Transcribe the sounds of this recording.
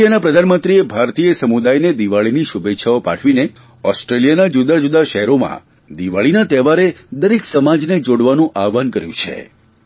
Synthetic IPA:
janapɾəd̪ʱanmənt̪ɾiebʱaɾt̪ijəsəmud̪ajned̪iʋaɭiniʃubet̪ːʃʰaopa̰ʈʰʋine | ɔsʈɾelijanad͡ʒud̪ad͡ʒud̪aʃəɦɛɾomã̰ | d̪iʋaɭinat̪ɛʋaɾed̪əɾeksəmad͡ʒned͡ʒoɽʋanũʔaʋankəɾjṵ̃t͡ʃʰḛ

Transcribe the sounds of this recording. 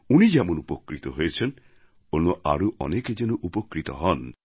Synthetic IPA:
unid͡ʒɛmɔnupɔkɾit̪ɔɦojet͡ʃʰen | onoʔaɾuʔɔ̰neked͡ʒenuʔupɔkɾit̪ɔ̰ɦɔn

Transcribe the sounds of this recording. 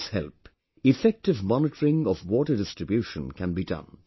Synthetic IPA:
shɛ̰lˠp | ɨfɛk̚tɨvmɑnɨtəɹɪ̃ŋʌvwɔɾə˞dɪstɹ̥ɨbjʉʃə̰̃nkʰɨ̃nbidʌ̰̃n

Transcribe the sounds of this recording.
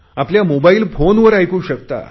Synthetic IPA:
apljamobaiːlfonʋəɾajkuːɕəkt̪a̰

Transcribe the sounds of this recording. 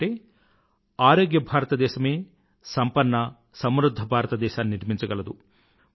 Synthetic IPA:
ʈeː | aːɾoːɡjɐbʱaːɾɐt̪ɐd̪ɛːʃɐme̞ː | sɐmpɐnːɐ | sɐmɾud̪ʱːɐbʱaːɾɐt̪ɐd̪ɛːʃaːnniɾmiɲt͡ʃɐɡɐlɐd̪u

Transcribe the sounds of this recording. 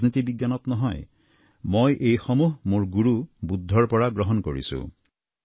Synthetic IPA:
znit̪ibiɡjanɔt̪nɔɦɔj | mojʔejxɔmuɦmoɹɡuɹubud̪ʱːɔɹpɔɹaɡɹɔɦɔnkoɹḭsṵ̃

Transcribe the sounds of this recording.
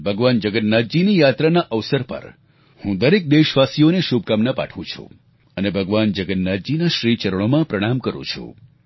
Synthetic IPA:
bʱəɡʋand͡ʒəɡətnad͡ʒinijat̪ɾanaʔəʋsəɾpə̰ɾ | hũd̪əɾek̚d̪eʃʋasijoneʃub̚ʱkamnapa̰ʈʰʋṵ̃t͡ʃʰṵ | ənebʱəɡʋand͡ʒəɡənnad̪d͡ʒinaʃɾit͡ʃəɾəɭ̃omãpɾəɽ̃amkəɾṵ̃t͡ʃʰṵ

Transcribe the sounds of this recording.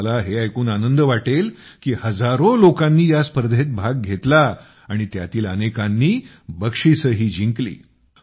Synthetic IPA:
laɦeajkuːnanənd̪əʋaʈelkiːhəd͡zaɾolokãnːiːjaspəɾd̪ʱet̪̚bʱaɡ̚ɡʱet̪la | aɽ̃it̪ja̰t̪iːlənekanːiː | bəkʂisəɦiːd͡ʑiŋklḭː

